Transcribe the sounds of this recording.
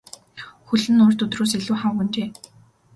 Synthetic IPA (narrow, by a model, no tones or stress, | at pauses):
xɵɮɘ̆nʊr̥t̪ɵt̪roːs̬eɮuːχawxɵ̆nt͡ɕeː